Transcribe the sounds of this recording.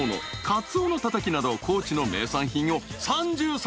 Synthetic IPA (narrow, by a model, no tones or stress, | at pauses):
no̞̰kat͡sɨoːno̞t̪at̪akʲinad̪o̞kʰo̞ːt͡ɕino̞me̞̰ːsãɰ̃çĩɰ̃o̞sãɲd͡ʑɨːs